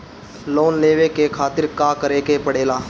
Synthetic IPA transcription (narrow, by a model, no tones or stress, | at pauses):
loːnleːʋekekʰaːt̪ɪɾkaːkəɾeːkepəɽeːlaː